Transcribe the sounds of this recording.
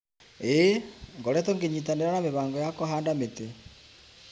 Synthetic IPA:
eŋɡɔɾɛtɔŋɡeɲitaneɾanameβaːŋɡɔjakɔɦaːndamete

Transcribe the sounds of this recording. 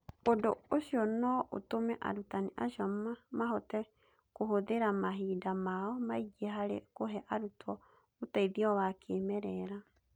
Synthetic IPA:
odooɕjɔnɔʔo̰tomɛʔa̰ɾutaniʔa̰ʃɔmamaɦɔtɛ | kohoðeɾamaɦidamaɔmaiɡieɦaɾḛkoɦɛʔaɾutʰɔ | otaiðiɔwakʰemɛɾɛɾa

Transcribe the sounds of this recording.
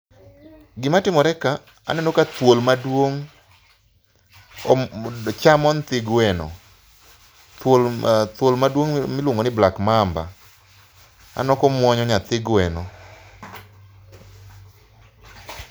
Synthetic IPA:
ɡɪmatɪmɔɾɛka | a̰nɛnokat̪wolmadwoŋ | t͡ʃamɔnt̪ɪɡwɛnɔ̰ | t̪wolt̪wolmadwoŋmɪlwoŋɡonɪblakmamba̰ | a̰nɔkɔmwɔɲɔɲat̪ɪɡwɛnɔ

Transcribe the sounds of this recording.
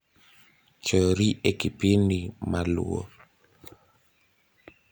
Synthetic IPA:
t͡ʃɔɾiʔekipinimalṵo̰

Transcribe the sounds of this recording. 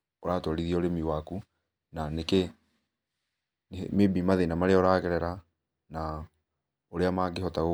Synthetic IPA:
oɾatɔɾiðiɔoɾemiwaku | naneke | nmebimaðenamaɾeɔɾakɛɾɛɾa | na | oɾeamaɡehɔtaɣo

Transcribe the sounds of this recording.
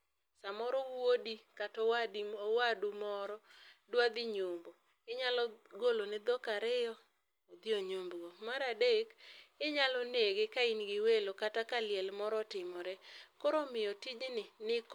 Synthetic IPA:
samɔɾɔwodikatɔwadiwadumɔɾɔdwad̪ɪɲombo | ɪɲalɔɡolonɪd̪ɔkaɾɪjɔ | od̪ioɲombɡomaɾadekɪɲalɔneɡekainɡɪwelokatakalɪjɛlmɔɾɔtɪmɔɾɛkoɾɔmɪjɔtid͡ʒnɪnɪk

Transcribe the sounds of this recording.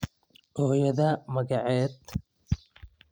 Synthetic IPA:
ʔɔːjɐðɐmɐɣɐʕɛːd̪

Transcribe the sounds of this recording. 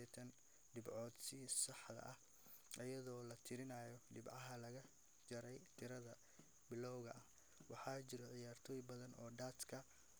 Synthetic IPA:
ɛt̪ʰɐn | ɖɪbʕɔːd̪sɪsɑħd̪ɐ̰ʔɐh | ʔɐjɐðɔːlɐt̪ʰɪɾɪnajɔɖɪbʕɑɦɐlɐɣɐ | d͡ʒɐɾɛjt̪ʰɪɾɐðɐ | bɪlɔwɣɐʔɐh | wɑħɑːt͡ʃɪɾɔʕɪjaːrt̪ʰɔːjbɐðɐnɔːɖaːt̪kʰɐ

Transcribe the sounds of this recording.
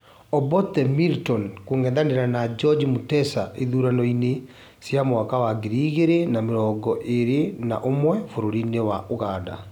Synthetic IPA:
ɔbɔtɛmiltɔnkoŋɛndaneɾanad͡ʒɔd͡ʒmutɛsaʔeðuɾanɔine | sjamowakawaɡeɾiɣeɾenameɾɔːɡɔʔeɾena̰ʔomwɛfoɾoɾinewaʔoɣaːda̰

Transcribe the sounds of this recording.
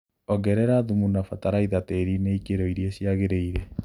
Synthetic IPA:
ɔɡɛɾɛɾaðumunafataɾaiðateɾineikeɾɔiɾjesjaɣeɾeiɾe

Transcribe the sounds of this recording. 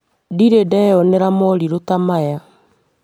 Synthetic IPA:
diɾedɛjɔnɛɾamɔɾiɾotamaja

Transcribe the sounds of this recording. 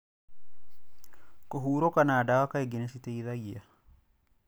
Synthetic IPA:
koɦuːɾokanaːdawakaeɡinesiteiðajia̰

